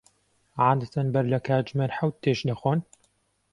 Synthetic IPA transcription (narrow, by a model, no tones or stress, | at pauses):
ʕaːd̪ɐt̪ʰɐnbɐɾlɐkʰaːd͡ʒmeːnħawt̪̚t̪ːeːʃdɐxoːn